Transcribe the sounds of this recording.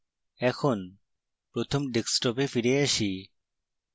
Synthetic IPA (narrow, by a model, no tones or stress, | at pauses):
ɛkʰon | pɾot̪ʰomɖeksʈɔpefiɾeaʃi